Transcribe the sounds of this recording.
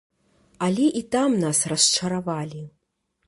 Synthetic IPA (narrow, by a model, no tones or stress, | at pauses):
alʲɛʔit̪amnasrɐst͡ʂɐɾavalʲi